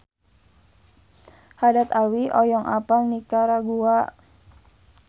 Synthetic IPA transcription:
hadat̪awiʔɔjɔŋʔapaŋnikaɾaɡuaʔ

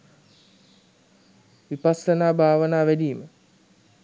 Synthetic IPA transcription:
ʋipasənaːbʱaːʋənaːʋædiːmə

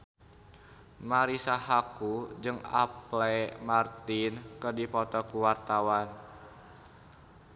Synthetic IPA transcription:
maɾisahakud͡ʒɨŋa̰plɛmart̪inkɨrdipɔt̪ɔkuwart̪awan

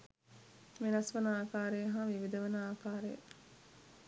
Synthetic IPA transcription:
menɐsʋɐnɐaːkaːɾejɐɦaːʋiʋid̪ɐʋɐnɐaːkaːɾḛj̰

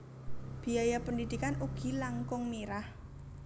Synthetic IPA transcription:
b̥i̤ajapəndid̪̥ikanuɡ̥i̤laŋkʊŋniɾah

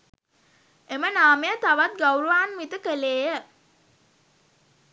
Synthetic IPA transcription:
emənaːmejət̪aʋat̪̚ɡawɾuʋaːnmit̪əkəleːjə

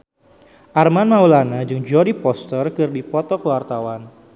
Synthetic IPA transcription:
ʔarmanmaulanad͡ʒʊŋd͡ʒuɔdipɔst̪ərkɨrdipɔt̪ɔkəwart̪awan

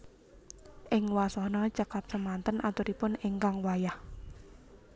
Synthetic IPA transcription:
ʔɪŋwasɔhnɔt͡ʃakap̚səmant̪ənʔat̪ʊɾipʊnɪŋkaŋwajah

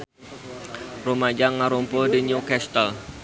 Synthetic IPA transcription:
romad͡ʒaŋaɾompodiɲukɛst̪əl

